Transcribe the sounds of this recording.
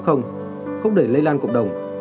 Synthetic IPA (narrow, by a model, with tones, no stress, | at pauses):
xə˧wŋ͡m | xə˧wŋ͡mɗe˧˩lə˧jlaː˧nkə̰˧˨wŋ͡mɗə˨˩wŋ͡m